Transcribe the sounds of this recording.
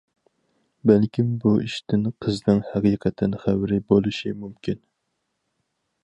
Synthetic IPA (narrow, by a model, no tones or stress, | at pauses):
bælkʲʰimbuiʃt̪ʰɪnqʰəznɨŋhæqʰiqʰɛt̪ʰɪnχæwɾɪbolˠɨʃimumkʲʰin